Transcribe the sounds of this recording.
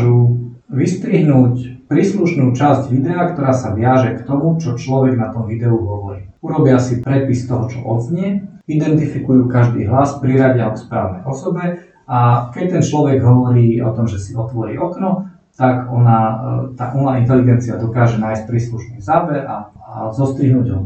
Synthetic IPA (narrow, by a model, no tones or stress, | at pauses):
ʒu | ʋist̪ɾiɦnuːcpɾiːsluʃnuːt͡ʃazɟʋid̪ɛakt̪ɔɾaːsaʋɪaʒɛkt̪ɔmut͡ʃɔt͡ʃlɔʋɛɡnat̪ɔmʋid̪ɛuɦɔʋɔɾḭː | uɾɔbiasipɾɛpist̪ɔɦɔt͡ʃɔ̰ʔɔd̪zɲɪɛ | id̪ɛnt̪ifikujuːkaʒd̪ḭːɦlaspɾiɾaɟɪaɔkspɾa̰ːʊnɛ̰jʔɔsɔbɛ | akɛct̪ɛnt͡ʃlɔʋɛɡɦɔʋɔɾiːɔ̰t̪ɔmʒɛsiɔt̪ʋɔɾḭːʔɔknɔ | t̪akɔnat̪a̰ʔunaint̪ɛliɡɛnt͡siad̪ɔkaːʒɛnaːjsc̚pɾiːsluʃnɛːzabɛʔa | azɔst̪ɾiɦnuːɟɦɔ